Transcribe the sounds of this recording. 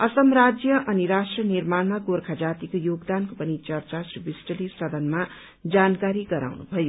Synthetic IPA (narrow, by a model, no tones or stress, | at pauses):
ʌsʌmrad͡zjʌʔʌniɾasʈrʌnirmanmaɡorkʰad͡zat̪ikojoɡd̪ankopʌnit͡sʌrt͡sasrubisʈʌlisʌd̪ʌnma | d͡zankaɾiɡʌɾa̰wnṵbʱʌjo